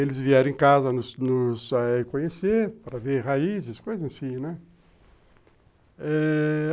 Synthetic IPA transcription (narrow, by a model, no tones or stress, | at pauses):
elɪzviɛɾẽkazɐnʊsnʊzaekõɲeseɾpɾɐveɾhaizɪskojzɐasĩnɛ | ɛ